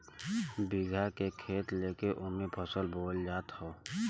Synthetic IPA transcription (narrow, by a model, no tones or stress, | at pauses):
biɡʱakekʰeːt̪leːkeʔʊnmẽpʰəsəlboːld͡ʒaːt̪ɦoː